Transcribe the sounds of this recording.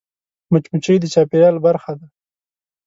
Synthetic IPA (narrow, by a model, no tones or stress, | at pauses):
mʊt͡ʃmut͡ʃijd̪ət͡ʃɑpeɾjɑlbaɾxad̪a